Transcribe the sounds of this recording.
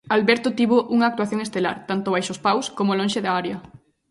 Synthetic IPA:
alβɛɾt̪ʊt̪iβoʔuŋɐaːk̚t̪waθjoŋest̪ela̰ɾt̪ant̪oβajʃospawskomolõnʃeðaaɾjɐ

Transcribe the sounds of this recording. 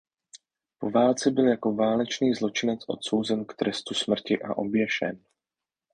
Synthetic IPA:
po̞vaːlt͡sɛbɪljako̞vaːlɛt͡ʃniːzlo̞t͡ʃɪnɛt͡sʔo̞̰t̪so̞wzɛnkt̪ɾɛst̪usmr̩cɪʔa̰ʔo̞̰bjɛʃɛ̰n

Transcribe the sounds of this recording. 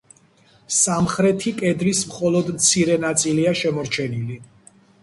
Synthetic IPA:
samχɾɛt̪ʰikʼɛd̪lismχɔlˠɔd̪mt̪sʰiɾɛnat̪sʼiliaʃɛmɔɾt͡ʃʰɛnili

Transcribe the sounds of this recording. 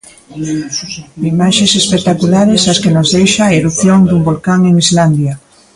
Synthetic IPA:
imaʃẽsespek̚t̪akulaɾesaskenozðejʃaeɾuθjoŋd̪umbolkaŋeŋizland̪ja

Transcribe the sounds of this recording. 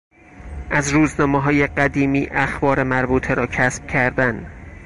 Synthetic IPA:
ʔæzɾuːznɒːmeɦɒːje̞ɢæd̪iːmiːʔæxbɒːɾe̞mæɾbuːt̪ʰeɾɒːcʰæsb̥̚cʰæɾd̪æn

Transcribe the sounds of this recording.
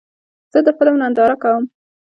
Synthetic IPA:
z̥əd̪əxpəlawnand̪ɑɾakawəm

